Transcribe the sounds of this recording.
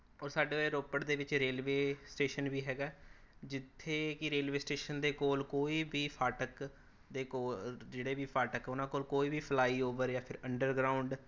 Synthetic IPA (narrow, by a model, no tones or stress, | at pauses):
ɔːɾsaːɖeːoeɾoːpəʈd̪eːʋɪt͡ʃɾeːlʋeːsʈeːʃənbiːɦɛːɡaː | d͡ʒɪt̪ʰːeːkɪɾeːlʋeːsʈeːʃənd̪eːkoːlkoːiːbiːpʰaːʈək | d̪eːkoːd͡ʒeːɽeːbiːpʰaːʈəkʊnãːkoːlkoːiːbiːpʰlaːiːoːʋəɾjaːpʰɪɾəɳɖəɾɡɾaːʊɳɖ